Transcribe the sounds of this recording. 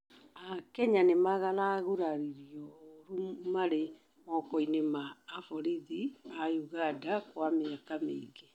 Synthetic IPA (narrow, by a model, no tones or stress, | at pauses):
akɛɲanemaɣalaɣuɾaɾiɾiɔɾumaɾe | mɔkɔinemaːfɔɾiðiajuɣadakwameakamḛiɡe